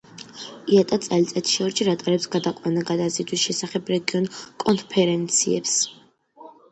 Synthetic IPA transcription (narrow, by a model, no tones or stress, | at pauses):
iat̪ʼat̪sʼɛlit̪sʼɛt̪ʰʃɔɾiʃiɾat̪ʼaɾɛpsɡad̪aqʼwanaɡad̪azit̪ʰwisʃɛsaχɛbɾɛɡiɔnkʼɔnpʰɛɾɛnt̪sʰḭɛ̰ps